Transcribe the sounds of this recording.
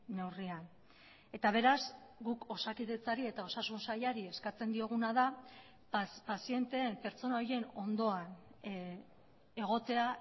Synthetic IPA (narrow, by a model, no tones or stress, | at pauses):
ne̞wrian | e̞t̪aβ̞e̞ɾazɡuko̞sakiðe̞t͡saɾie̞t̪ao̞sasunsajaɾie̞skat͡se̞nd̪io̞ɣ̞unaða | pasie̞nt̪e̞ːmpe̞ɾt͡so̞nao̞je̞no̞nd̪o̞an | e̞ɣ̞o̞t̪e̞a